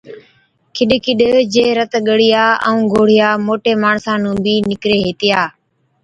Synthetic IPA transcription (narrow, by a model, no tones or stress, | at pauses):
kʰɪɗkʰɪɗd͡ʒeːɾət̪ɠəɽɪjaːəũːɡʱoːɽɪjaːmoːʈeːmaːɳsãːnũːbiːnɪkɾeːɦeːt̪ɪjaː